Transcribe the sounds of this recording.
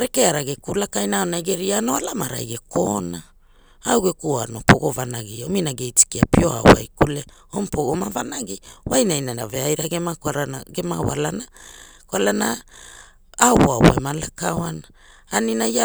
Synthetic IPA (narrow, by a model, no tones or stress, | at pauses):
ɾekeaɾaɡekulakajnaaonajɡeɾianoalamaɾa̰jɡekʰona | awɡekuanopoɡovanaɡiominaɡejt͡ʃi̥kiapio̞a̰wa̰jkuleompoɡomavanaɡiwajnajnana̰veajɾaɡemakaɾanaɡemawa̰lanakwalana | awoawa̰emalakawanaː | ninaa